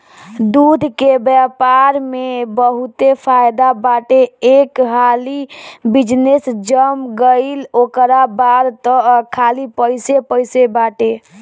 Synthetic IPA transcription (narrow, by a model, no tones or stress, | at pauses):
d̪ud̪ʱkebjapaɾmebəɦut̪epʰajd̪abaʈeekɦalibid͡ʒnesd͡ʒəmɡəɪlokɾabaɾt̪ɔkʰalipəjsepəjsebaʈe